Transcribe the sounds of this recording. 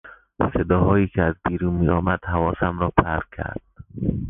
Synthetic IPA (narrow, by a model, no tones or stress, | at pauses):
sed̪ɒːɦɒːjiːcʰeæzbiːɾuːnmiːɒːmæd̪̥hævɒːsæmɾɒːpʰæɾkʰːæ̰ɾd̪̥